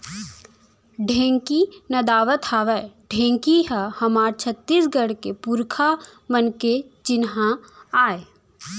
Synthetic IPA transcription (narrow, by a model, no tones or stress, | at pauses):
ɖʱẽːŋkinɐd̪aːʋət̪ʰaːʋɛɖʱẽːŋkiɦahɐmaːɾt͡ʃʰət̪ːiːsɡəɽkepuɾkʰamənket͡ʃɪnɦãaːe